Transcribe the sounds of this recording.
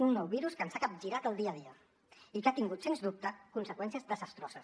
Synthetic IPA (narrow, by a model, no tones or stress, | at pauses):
unːɔwβiɾuskənsakap̚ʒiɾat̪əlˠd̪iəðiə | ikat̪iŋɡut̪senzðup̚t̪əkunsəkwɛnsiəzðəzəst̪ɾɔzəs